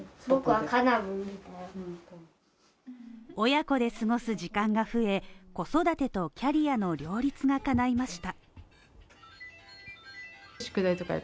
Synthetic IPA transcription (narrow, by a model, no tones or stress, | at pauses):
bokɯβakanabɯ | o̞jako̞d̪e̞sɨɡo̞sɨʑikãŋɡaɸɯ̟e̞ko̞so̞d̪at̪e̞t̪o̞kʲaɾʲijano̞ɾʲo̞ːɾʲit͡sɨɡakanaimaɕi̥t̪a | ɕi̥kɯ̟d̪ait̪oka̰jḛ